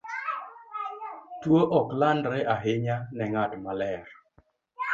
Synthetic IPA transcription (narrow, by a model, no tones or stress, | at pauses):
twoʔɔklandɾɛʔaɦɪɲanɛŋadmalɛɾ